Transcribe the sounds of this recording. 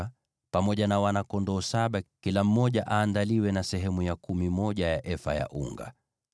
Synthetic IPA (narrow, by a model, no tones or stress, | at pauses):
pamɔʄanawanakɔndɔːsaɓakilam̩mɔʄaʔaːndaliwɛnasɛɦɛmujakumimɔʄajaʔɛfa̰ja̰ʔṵŋɡa̰